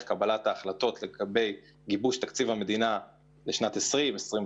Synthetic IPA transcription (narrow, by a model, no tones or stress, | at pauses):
kabalataːχlato̞tleɡabe̞j | ɡibuʃtakt͡sivame̞d̪ina | leʃnatesʁimesʁi